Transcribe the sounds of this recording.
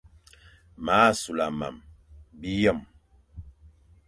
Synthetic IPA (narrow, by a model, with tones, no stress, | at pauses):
ma˨˦˨su˨la˨ma̰˨mbi˦jɔ˦˨m